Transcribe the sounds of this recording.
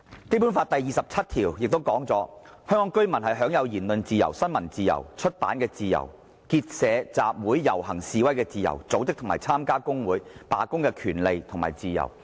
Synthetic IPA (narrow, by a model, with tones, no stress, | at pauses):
kjp̬u˨˥nfaː˧t̚t̪ɐ˨jiː˨˩sɐ˨p̚t͡sʰɐ˥t̚t̪ʰiː˨˩wjɪ˨k̚t̪o˥wkɔː˨˥ŋt͡sɔ̰ː˨˥ | hœː˥ŋkɔː˨˥ŋkɵ˥ɥmɐ˨˩nhɐ˨jɦœː˨˥ŋjɐ˨˧wjiː˨˩nlɵ˨nt͡siː˨jɐ̰˨˩wsɐ˥nmɐ˨˩nt͡siː˨jɐ̰˨˩wt͡ʃʰɵ˥t̚paː˨˥nkɛː˧t͡siː˨˧jɐ̰˨˩w | ki˧t̚sɛː˨˧t͡saː˨p̚wuː˨˥jːɐ˨˩whɐ˨˩ŋsiː˨wɐ˥jkɛː˧t͡siː˨jɐ̰˨˩wt͡so˨˥wt͡sɪ˥k̚t̪ʰʊ˨˩ma̰ː˨˩jt͡sʰaː˥mkaː˥kʊ˥ŋwuː˨˥jpa̰ː˨kʊ˥ŋkɛː˧kʰyː˨˩nle˨jt̪ʰʊ˨˩ŋma̰ː˨˩jt͡siː˨jɐ̰˨˩w